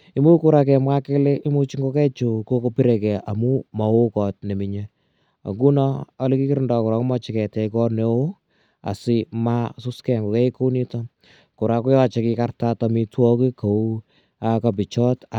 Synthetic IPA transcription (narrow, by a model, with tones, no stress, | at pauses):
i˦mu˦ku˦ɾa˨k̬ɛ˨mwa˦kɪ˦le˦ʔi˦mu˦t͡ʃi˦ŋɡo˦kɛ˦t͡ʃu˨ko˦kopi˦ɾe˨kɛ˨ʔa˨mu˦mɔ˨ʊ˦kɔ˨t̚ne˨mi˨ɲɛ˦ | a̰˨ŋɡu˦nɔː˦li˦ki˦ki˦ɾɪ˦ndɔ˨kʊ˨ɾɔ˨kmɔ˦t͡ʃɪ˨kɛ˨tɛ˨kɔ˦ne˦o˦ | a̰˨si˧ma˦su˦skɛ˨ŋɡo˨kɛ˦iko˦ni˦tɔ˦ | kʊ˨ɾa˧ku˦jɔ˦˨t͡ʃɪ˧kɪ˧kartatɔmi˦twɔ˦ki˦ko˨u˦ | a˨ka˨p̬i˨t͡ʃɔ˦ta˨